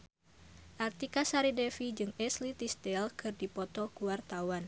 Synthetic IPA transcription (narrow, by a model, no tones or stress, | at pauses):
ʔart̪ikasaɾidɛfid͡ʒɨŋɛslit̪ist̪ɛlkʰɨrdipɔt̪ɔkuwart̪awan